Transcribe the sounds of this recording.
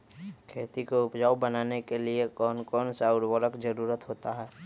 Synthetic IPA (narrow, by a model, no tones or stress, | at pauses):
kʰeːt̪ikoʊpd͡ʒaːwbənaːnekeliekɔːnkɔːnsaʊɾwəɾəkd͡ʒəɾuːɾət̪ɦoːt̪aɦɛː